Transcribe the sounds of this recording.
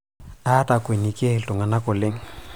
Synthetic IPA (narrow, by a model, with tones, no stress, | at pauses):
a˦tʼa˨kʼwe˨ni˨kʼɪ˦˨ɬʼʊ˨ŋa˨na˦kʼʊ˨le˦ŋ̩